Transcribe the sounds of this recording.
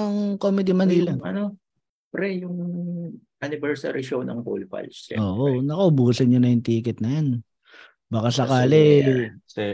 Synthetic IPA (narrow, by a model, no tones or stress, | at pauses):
ɐŋkoːmɪd̪imɐniːlɐʔɐ̰no | ɛ | pɾɛjʊŋ | ʔɐnɪbɛɹsɐ̰ɾɪʃownɐ̰ŋko̰lpɐ̰lsɛ̰ʔoːʔonɐkɐʔʊbuːsɐɲɲonɐjʊŋt̪iːkɛt̪̚nɐjan | baːkasɐkaːlɛ